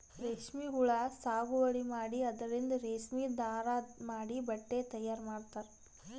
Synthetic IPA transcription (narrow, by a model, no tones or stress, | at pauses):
ɾeːʂmiɦuɭɐsaːɡuʋɐɽimaːɽiɐd̪ɐɾind̪ɐɾeːʃmiːd̪aːɾamaːɽibɐʈːet̪ɐjːaːɾmaːɽt̪aːɾ